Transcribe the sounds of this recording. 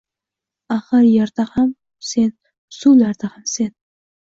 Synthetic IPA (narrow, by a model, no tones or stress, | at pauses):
aχɨɾjaɾd̪aham | se̞n | sulaɾd̪ahamse̞n